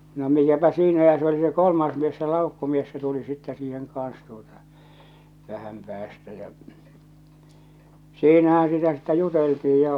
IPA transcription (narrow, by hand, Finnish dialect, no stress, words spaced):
no mikæpæ siːnæ jɑ se oli se kolmɑːs mies se lɑˑukːumies se tuli sitːɛ siːheŋ kɑːn̞s tuotɑ ʋæhæm pæːstæ jɑ̟ siːnæhæ̃ː sitæ sitːæ juteltii jɑ